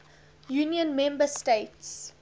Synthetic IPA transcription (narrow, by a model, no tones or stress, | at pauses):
juːniə̃nmɛ̃mbəsteɪts